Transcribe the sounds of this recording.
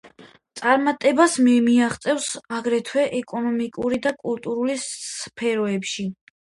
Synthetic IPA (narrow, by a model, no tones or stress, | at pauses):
t̪sʼaɾmat̪ʼɛbasmɛmiaχt̪sʼɛvsaɡɾɛt̪ʰwɛʔɛkʼɔnɔmikʼuɾid̪akʼulˠt̪ʼuɾulipʰɛɾɔɛpʃi